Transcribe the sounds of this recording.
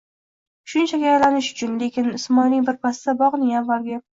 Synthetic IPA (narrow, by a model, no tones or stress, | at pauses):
ʃʊnt͡ʃʰakʲaajlanɪʃʊ̥t͡ʃʰʊnle̞kʲɪnɪsmɒjnɪŋbɪɾpʰasɪd̪abɒʁnɪŋanvalˠɡʲa